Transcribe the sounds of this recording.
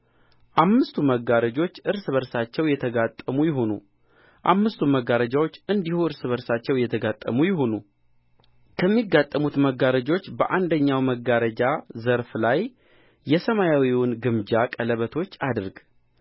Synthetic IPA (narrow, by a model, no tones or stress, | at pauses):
ʔamːɨst̪ʰuməɡaɾəd͡ʒo̞t͡ʃːɨɾsɨβəɾsat͡ʃːɛwjɛt̪ʰəɡat̪ʼːəmujɪɦonṵ | ʔamːɨst̪ʰuməɡaɾəd͡ʒawo̞t͡ʃːɨnd̪ihuɨɾsɨβəɾsat͡ʃːɛwjɛt̪ʰəɡat̪ʼːə̰mujɪɦo̞nu | kʰəmːiɡːat̪ʼːəmut̪məɡːaɾəd͡ʒo̞t͡ʃːbə̰ʔand̪əɲːawməɡːaɾəd͡ʒazəɾflajː | ɛsəmajawiwʊnɡɨmd͡ʒakʼələβət̪ʰo̞t͡ʃːad̪ɨɾɡ